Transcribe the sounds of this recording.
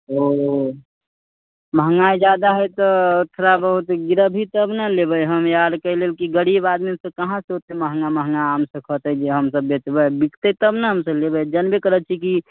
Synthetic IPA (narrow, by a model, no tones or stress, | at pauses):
o | məɦəŋɡaid͡ʒjad̪aɦɛjt̪ɔʊt̪ʰɾabəɦut̪ɡiɾəbʱit̪əbnəlebəjɦəmjad̪kəɦlelkiɡəɽibad̪misəkəɦãseɦot̪eməɦŋɡaməɦŋɡaamsəkʰət̪əd͡ʒeɦəmsəbːet͡ʃbəbikʰt̪et̪əbnəɦəmsəlebəjd͡ʒənbekəɾət̪̚t͡ʃʰiki